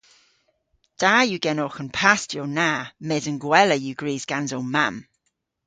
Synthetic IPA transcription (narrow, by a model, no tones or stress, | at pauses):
d̥aːjuɡɛnɔːxənpʰastʰjɔnaːmɛːzənɡwɛləjuɡɹiːzɡ̥anzownmam